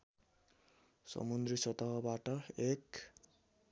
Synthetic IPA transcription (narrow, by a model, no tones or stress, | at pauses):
sʌ̰mund̪risʌt̪ʌɦbaʈʌek